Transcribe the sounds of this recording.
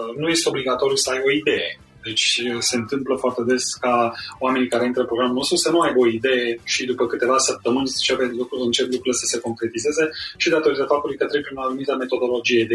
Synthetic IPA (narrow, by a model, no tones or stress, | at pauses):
nuje̞st̪eo̞bliɡat̪o̞ɾjusəajbo̞id̪e̞je̞ | d̪e̞t͡ʃʲse̞ɨnt̪ɨmpləfoart̪e̞d̪e̞skaoamenikaɾe̞int̪ɾəɨmpɾoɡɾamulno̞st̪ɾusənuajbo̞id̪e̞jeʃid̪upəkɨt̪e̞vasəp̚t̪əmɨnʲt͡ʃepelukɾuɨnt͡ʃeblukɾuləsəseko̞ŋkɾe̞t̪ize̞ze̞ʃid̪at̪o̞ɾit̪əfap̚t̪ulujkət̪ɾeb̚pɾinanumit̪əme̞t̪o̞d̪o̞lo̞d͡ʒije̞d̪e